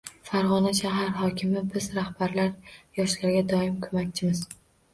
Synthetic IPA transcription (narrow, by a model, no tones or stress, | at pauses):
faɾʁɒnaʃaɦaɾɒkʲʰɪmɪbɪzɾahb̥aɾlaɾjɒʃlaɾɡʲad̪ɒɪmkʰʊmakʲt͡ʃʰɪmɪz